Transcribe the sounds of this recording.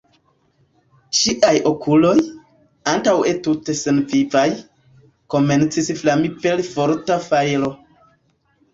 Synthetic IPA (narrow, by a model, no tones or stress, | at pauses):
t͡ʃiʔajokʰulo̞j | antawe̞tute̞senvivaj | ko̞me̞nt͡sisflamipe̞lfoɾtafajlo̞